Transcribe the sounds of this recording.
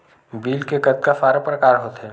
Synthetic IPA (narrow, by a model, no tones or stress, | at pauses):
biːlkekət̪̚kafaːɾəpɾəkaːɾɦoːt̪ɦɛː